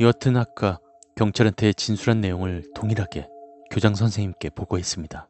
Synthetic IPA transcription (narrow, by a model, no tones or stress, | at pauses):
iʌtʰɯnak̚k͈ʰa | kjʌŋt͡ɕʰʌɾantʰe̞t͡ɕinsʰuɾɦanːe̞joŋɯɭtoŋiɾɦaɡe̞̰ | kjod͡ʑaŋsʰʌnsʰeŋɲimk͈e̞poɡois͈ɯmɲid̥a